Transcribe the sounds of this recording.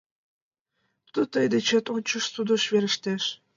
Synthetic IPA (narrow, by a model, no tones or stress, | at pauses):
t̪ət̪əjd̪et͡ɕet̪onʲt͡ɕə̆ʃsud̪ə̆ʃβeɾə̆ʃt̪eʃ